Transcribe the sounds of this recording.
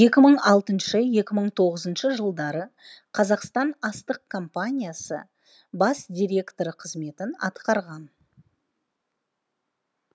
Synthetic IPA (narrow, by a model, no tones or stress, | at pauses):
je̞kʲɪməɴɑlˠt̪ənʃəje̞kʲɪməɴt̪ʰo̞ʁəzənʃəʒəlˠd̪ɑɾəqʰɑzɑqst̪ɑnɑst̪əq̚kʰo̞mpanʲijasə̰ | bɑsd̪ʲijɾʲe̞kt̪o̞ɾəqʰəzme̞t̪ɪnɑ̰t̪qɑɾʁɑn